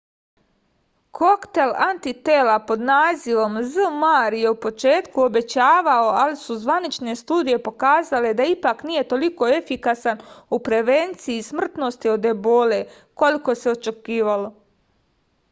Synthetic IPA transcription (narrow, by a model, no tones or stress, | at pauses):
kʰo̞kt̪e̞lant̪it̪e̞ːlapo̞d̪naːziʋo̞mzɨmaːɾje̞upo̞t͡ʃe̞ːt̪kuo̞be̞t͡ɕaːʋao̞alisuzʋanit͡ʃne̞st̪uːd̪ije̞po̞kaːzale̞d̪aipaknije̞t̪o̞liko̞efikasanupɾe̞ʋent̪siismr̩t̪no̞st̪io̞d̪e̞bo̞le̞ | ko̞liko̞seo̞t͡ʃe̞kiːʋalo̞